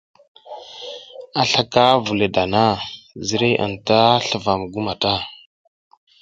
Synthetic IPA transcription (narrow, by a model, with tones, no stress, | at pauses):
a˨ɬa˦ka˦vu˨le˨da˨na˦zi˦ɾe˦ʔa̰˨nta˦ɬə˨va˨m˨ɡu˦ma˨ta˦